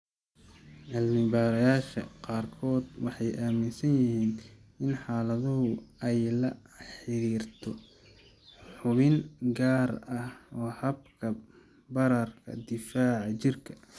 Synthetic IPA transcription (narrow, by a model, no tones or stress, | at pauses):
ʔɐlnɪbaːɾɐjaːʃɐ̰qɑːrkʰɔːd̪wɑħɑjʔaːmɪnsɐnjɪɦiːnɪnħɑːlɐðʊɦʊɛjlɐ | ħɪɾiːrt̪ʰɔ | ħʊβɪŋɡaːrɐhɔːhɐb̚kʰɐ | bɐɾɐrkʰɐ̰d̪ɪfaːʕɑt͡ʃɪrkʰɐ̥